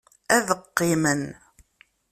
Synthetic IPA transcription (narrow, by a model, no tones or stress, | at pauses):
æðəqːɪmən